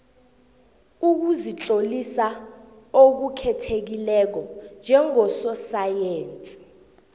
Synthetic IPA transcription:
uk̬uzit͡ɬʼolisa | ok̬ukʰɛtʰek̬ilɛk̬ɔnd͡ʒʱɛŋɔsɔsajeːnt͡sʼi̥

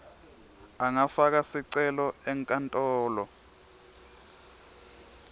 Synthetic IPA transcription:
aŋafak̬asiǀɛlɔɛŋkʼantʼɔːlɔ

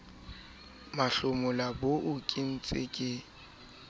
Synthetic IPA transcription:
maɬʊmʊlaboʔʊkʼɪn̩t͡sʼɪkʼɪ

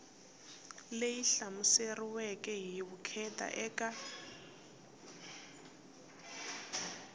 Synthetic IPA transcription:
lejiɬamuseriwɛkʼɛɦiβukʰɛtʼa̰ʔɛːkʼa

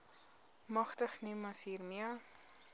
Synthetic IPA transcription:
mɐχtəχnimɐsɦiːrmiə

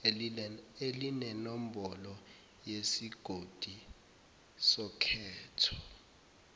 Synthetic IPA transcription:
elinɛnɔm̩bɔlɔ | jesiɡ̥ʱod̥ʱi | sɔkʰɛːtʰɔ̥

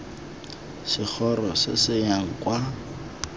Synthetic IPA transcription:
sɪk͡xʰɔrɔsɪ̰sɪjaŋ̩kwa

